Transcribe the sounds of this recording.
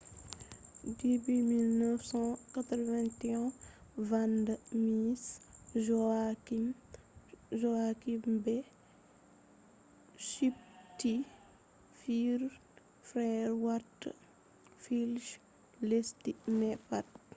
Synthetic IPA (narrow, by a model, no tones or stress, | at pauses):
dibimilnəfsɑ̃kat̪ɾvɛ̃ntɛɔ̃vandəmisʒɔaki | ʒɔakimbɛ | ʃip̚ti | fiɾ | fɾɛɾwatː | filʃ | lɛstimɛpat